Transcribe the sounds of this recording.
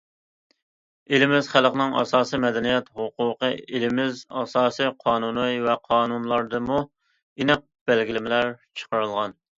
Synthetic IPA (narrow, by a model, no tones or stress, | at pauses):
elɪmɪzχælqnɨŋɑ̰sɑːsimɛd̪ɛnijɛt̪hʊqʊqəelɪmɪzɑsɑːsɨjqʰɑːnunɨjvɛqʰɑːnunlˠɑɾd̪ɨmu | inɨq̚b̥ælɡʲilɪmɪlæɾt͡ʃʰə̥qəɾɨlˠʁɑn